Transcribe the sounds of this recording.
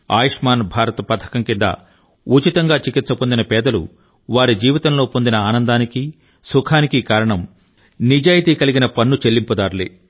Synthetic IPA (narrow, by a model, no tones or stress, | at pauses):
a̰ːjɐʂmaːnbʱaːɾɐt̪ɐpɐt̪ʰɐ̥kɐmkind̪ɐ̰ | ut͡ʃit̪ɐŋɡaːt͡ʃikit̪sɐpo̞nd̪inɐpɛːd̪ɐlṵ | ʋaːɾid͡ʒiːʋit̪ɐmlo̞ːpo̞nd̪inɐaːnɐnd̪aːniki | sukʰaːnikikaːɾɐɳɐm | nid͡ʒaːjit̪iːkɐliɡinɐpɐnːut͡ʃe̞lːimpɐd̪aːɾlḭ